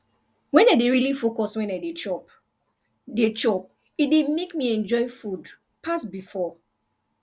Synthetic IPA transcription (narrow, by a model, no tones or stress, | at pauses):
wɛ̃naɪdeɹilifokɔswɛ̃naɪdet͡ʃɔp | det͡ʃɔp̚ | idemekmiɛ̃nd͡ʒɔɪfud | pʰasbifɔ